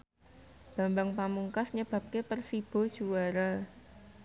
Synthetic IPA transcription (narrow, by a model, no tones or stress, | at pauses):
b̥a̤mbaŋpamuŋkasɲəb̥a̤p̚kepərsib̥ɔ̤d̥ʒ̥uwaɾa